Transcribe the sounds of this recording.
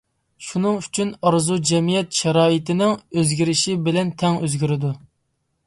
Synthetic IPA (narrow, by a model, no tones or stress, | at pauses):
ʃunɨŋyt͡ʃʰynɑɾzud͡ʒɛmijɛt̪ʃɛɾɑːɪt̪ɪnɪŋøzɡʲiɾɪʃɪbɪlɛnt̪ʰɛŋøzɡʲyɾɪd̪u